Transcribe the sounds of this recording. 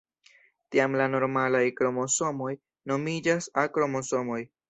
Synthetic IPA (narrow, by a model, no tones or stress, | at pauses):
tiamlano̞ɾmalajkɾo̞mo̞so̞mo̞j | no̞mid͡ʒasakɾo̞mo̞so̞mo̞j